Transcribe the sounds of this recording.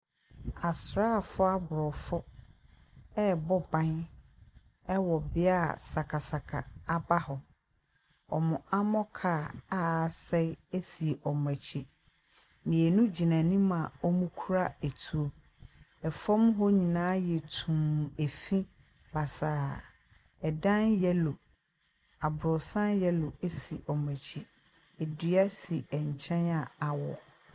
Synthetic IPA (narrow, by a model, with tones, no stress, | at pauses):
a˨sɾaː˦˨fʊ˦a˦bʊ˨ɾɔ˨fʊ˦ | ɛ˦bɔ˦bã˦n | ɛ˦wɔ˨bɪ˦a˦sa˨kʰa˨sa˨kʰa˨a˦ba˦hɔ˨ | ɔ̰˨mʊ̃˨ʔa˦mɔ̃˦kʰaː˨a˦˨sɛ˦e˦si˨ʔɔ˨m˨æ̃˨t͡ɕʰi˦ | mĩ˨ɛ˨nũ˦d͡ʑi˨nã˨nĩ˦mã˨ɔ˦mũ˦kʰu˦ɾa˦e˨tʰu˨o˦ | ɛ˨fɔ̃˦mɦɔ˦ɲĩ˨nãː˦jɛ˨tʰũ˨m˨e˨fĩ˦ | ba˨saː˨ | ɛ˨dã˦njɛ˦lo˨ | a˨bɾɔ˨sã˦njɛ˦lo˨e˦si˨ʔɔ˨mæ̃˨t͡ɕʰi˦ | e˨di˨a˦si˨ɛ˨ɲ˨t͡ɕʰɛ̃˦na˨a˨wɔ˨